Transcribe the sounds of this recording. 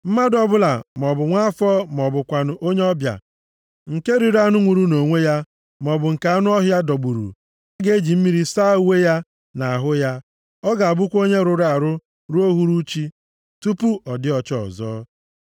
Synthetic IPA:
m̩˦ma˦dɔ˦bʊ˦la˨m˨ɔ˨bʊ˨ŋʷa˦fɔː˦m˨ɔ˨bʊ˨kʷa˨nʊ˨ʔo˦ɲe˦ɔ˦bja̰˨ | ŋ̩˨ke˦ɾi˨ɾa˦nʊ˦ŋʷu˨ɾu˦no˨ŋʷe˦ja˦ | mɔ˨bʊ˨ŋ̩˨ka˨a˦nʊ˦ɔ˦ɦʊ˦ja˦dɔ˨ɡ͡bu˨ɾṵ˨ | a˦ɡe˦d͡ʒi˨m̩˦mi˦ɾi˦sa˦˨u˦we˦ja˦ | na˨a˨ɦʊ˦ja˦ | ɔ˦ɡa˨a˨bʊ˦kʷo˦ɲe˦ɾʊ˨ɾa˨ɾʊ˦ | ɾu˦o˦ɦu˦ɾu˦t͡ʃi˦ | tu˦pu˦ʔɔ˨dɪ˦ɔ˨t͡ʃɔ̰˨zɔ̰ː˦

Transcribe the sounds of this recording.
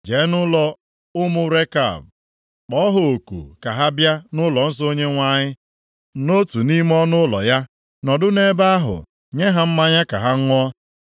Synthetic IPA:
d͡ʒe˨˦nʊ˦lɔ˦ | ʊ˦mʊ˦ɾe˦ka̰˨b̚ | k͡pɔ˦ɦo˨o˨kṵ˨ka˨ɦa˦bja˦nʊ˦lɔ˨n̩˦so˦ɲe˦ŋʷa˦˨ɲɪ˦ | no˦tu˨ni˦m˦ɔ˦nʊ˦lɔ̰˨ja˦ | nɔ˨dʊ˦ne˦ba˦a˦ɦʊ̰˨ | ɲe˦ɦa˨m̩˦ma˦ɲa˦ka̰˨ɦa˦ŋ̩˦ŋʷɔ˦

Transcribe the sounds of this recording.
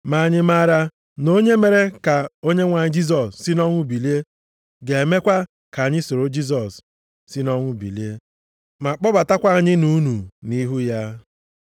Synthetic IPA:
ma˨ɲɪ˦ma˦ɾa˦ | no˦ɲe˦me˨ɾe˦ka˨o˦ɲe˦ŋʷa˨ɲɪ˦d͡ʒi˦s̬ɔ˨ssi˦nɔ˦ŋʷʊ˦bi˨li˦e˦ | ɡe˨e˨me˦kʷa˦ | ka˨ɲɪ˦so˨ɾo˦d͡ʒi˦s̬ɔ˨s | si˦nɔ˦ŋʷʊ˦bḭ˨li˦e˦ | ma˨k͡pɔ˦ba˨ta˦kʷa˦a˨ɲɪ˦nu˦nu˨ni˦ɦu˦ja˦

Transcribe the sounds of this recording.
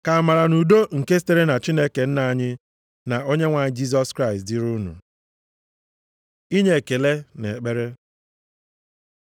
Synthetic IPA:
ka˨a˨ma˨ɾa˨nu˨do˦ŋ̩˨ke˦ste˦ɾe˦na˨t͡ʃi˦ne˦ke˨n̩˦na˨˦˨ɲɪ˦ | na˨o˦ɲe˦ŋʷa˨ɲɪ˦d͡ʒi˦s̬ɔ˦skɾa˦ɪ˨stdɪ˦ɾu˦nṵ˨ | i˦ɲe˦˨ke˨le˦ne˨k͡pe˦ɾe˦

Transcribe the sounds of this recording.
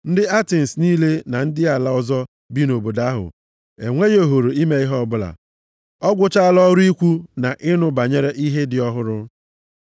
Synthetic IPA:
n̩˦dɪ˦a˦te˨n̩˨sniː˦le˦na˨n̩˦dɪ˦a˨la˦ʊ˦zɔ˦ | bi˦no˨bo˨da˦ɦʊ̰˨ | e˨ŋʷe˦jo˨ɦo˨ɾo˨i˦me˦i˦ɦɔ˦˨bʊ˦la̰˨ | ɔ˦ɡʷʊ˦t͡ʃa˦a˦lɔ˦ɾu˦i˦kʷu˦na˨ʔɪ˦nʊ˨ba˨ɲe˦ɾe˦ʔi˦ɦe˦dɪ˨ɔ˦ɦʊ˦ɾʊ˦

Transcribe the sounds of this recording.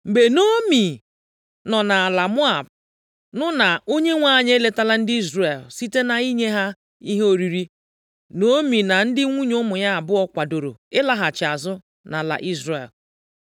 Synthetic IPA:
m̩˨ɡ͡be˨no˦mi˨ | nɔ˨na˨a˨la˨mʊ˦a˨b̚ | nʊ˦na˨o˦ɲe˦ŋʷa˦˨ɲe˦e˦le˨ta˦la˦n̩˦dɪ˦i˦zre˨lsi˦te˦na˨i˦ɲe˦ɦa˦ | i˦ɦe˦o˨ɾi˨ɾi˦ | no˦mi˨na˨n̩˦dɪ˦ŋʷu˦ɲo˦mʊ˨ɲa˦a˨bʊ˦ɔ˦kʷa˨do˨ɾo̰˨ɪ˦la˦ɦa˨t͡ʃɪ˨a˨zʊ˦ | na˨la̰˨ʔi˦zrḛ˨l

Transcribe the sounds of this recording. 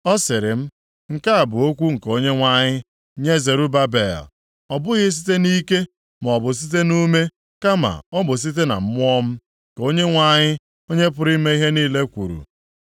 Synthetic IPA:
ɔ˦sɪ˨ɾɪ˨m̩˦ | ŋ̩˨ka˦a˨bʊ˨o˦kʷu˦ŋ̩˨ko˦ɲe˦ŋʷa˦ɲɪ˦ | ɲe˦ze˨ɾu˦ba˦be˨l | ɔ˨bʊ˦ɣɪ˦s̬i̥˦te˦ni˦ke˦ | m˨ɔ˨bʊ˨s̬i˦t̬e˦nu˦me˦ | ka˦ma̰˨ɔ˦bʊ˨s̬i˦t̬e˦na̰˨m̩˦mʊ˦ɔ˦m̩˦˨ | ko˦ɲe˦ŋʷa˦˨ɲɪ˦ | o˦ɲe˦p̬ʊ˦ɾi˦me˦i˦ɦe˦niː˦le˦kʷṵ˨ɾṵ˨

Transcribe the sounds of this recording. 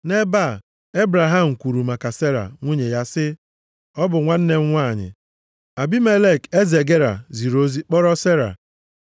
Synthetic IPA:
ne˦ba˦˨ | e˦bɾa˨ɦa˦˨m̩˨kʷu˨ɾu˨ma˨ka˨se˦ɾa̰˨ŋʷu˦ɲe˨ja˦sɪ˦ | ɔ˦bʊ˨ŋʷa˦n̩˦ne˦ŋ̩˦ŋʷa˦˨ɲɪ̰˨ | a˨bi˦me˦le˦˨ke˦ze˨ɡe˦ɾa̰˨zi˨ɾo˦zi˦k͡pɔ˦ɾɔ˦se˦ɾa̰˨

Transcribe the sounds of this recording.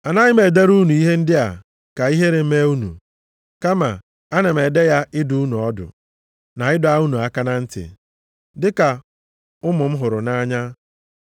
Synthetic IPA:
a˨na˦ɲɪ˦me˨de˦ɾu˦nu˨i˦ɦe˦n̩˦dɪ˦a̰˨ | ka˨i˦ɦe˦ɾe˨m̩˦me˦u˦nṵ˨ | ka˦ma̰˨ | a˦ne˨m̩˨e˨de˦ja˦ɪ˦du˦u˦nu˨ɔ˦dʊ̰˨ | na˨ɪ˦dʊ˨˦a˦u˦nu˨a˦ka˦na˦n̩˦tɪ̰˨ | dɪ˦ka˨ | ʊ˦mʊ˨m̩˦ɦʊ˨ɾʊ˨na˦ɲa˦

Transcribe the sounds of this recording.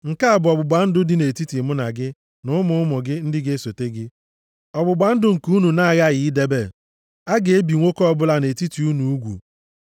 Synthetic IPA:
ŋ̩˨ka˦a˨bʊ˨ɔ˨bʊ˨ɡ͡ba˨n̩˦dʊ˦dɪ˦ne˨ti˦ti˨mʊ˦na˨ɡɪ˦ | nʊ˦ʊ˦mʊ˦ʊ˦mʊ˨ɡɪ˦n̩˦dɪ˦ɡe˦so˨te˦ɡɪ˦ | ɔ˨bʊ˨ɡ͡ba˨n̩˦dʊ˦ŋ̩˨ku˦u˦nu˨na˦˨ɣa˦˨jɪ˨i˦de˦be˦˨ | a˦ɡe˨e˦bi˨ŋʷo˦kɔ˦ɔ˦˨bʊ˦la˦ne˨ti˦ti˨u˦nu˨u˦ɡʷṵ˨

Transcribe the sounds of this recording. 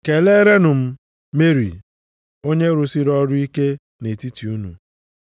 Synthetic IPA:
ke˨le˦ɾe˦nʊ˨m̩˦ | me˦ɾḭ˨ | o˦ɲe˦ɾʊ˨si˦ɾɔ˦ɾʊ˦i˦ke˦ | ne˨ti˦ti˨u˦nṵ˨

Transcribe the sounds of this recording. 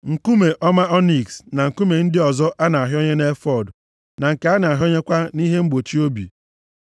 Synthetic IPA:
ŋ̩˨ku˦me˨ʔɔ˦ma˦ɔ˦ni˨ksna˨ŋ̩˨ku˦me˨n̩˦dɪ˦ɔ˨zɔ˦ʔa˦na˨a˨ɦɔ˦ɲe˦ne˦fɔ˦˨d | na˨ŋ̩˨ke˨a˦na˨a˨ɦo˦ɲe˦kʷa˦ni˦ɦe˦ŋ͡m̩˦ɡ͡bo˨t͡ʃi˦o˦bḭ˨

